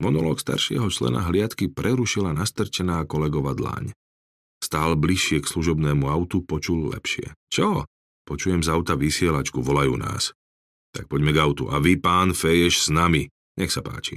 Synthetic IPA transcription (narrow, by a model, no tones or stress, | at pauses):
mɔnɔlɔːkst̪a̰ɾʃɪɛ̰ɦɔt͡ʃlɛ̰na̰ɦlɪat̪kipɾɛɾuʃilanast̪r̩t͡ʃɛnaːkɔlɛɡɔʋad̪la̰ːɲ | st̪aːlbliʃːɪɛksluʒɔbnɛːmuaʊt̪upɔt͡ʃullɛ̰pʃɪɛ̰t͡ʃɔ | pɔt͡ʃujɛmzaʊt̪aʋisɪɛlat͡ʃkuʋɔlajṵːna̰ːs | t̪ak̚pɔɟmɛɡaʊt̪ṵʔaʋipaːnfɛjɛʃsnami | ɲɛxsapa̰ːt͡ʃḭ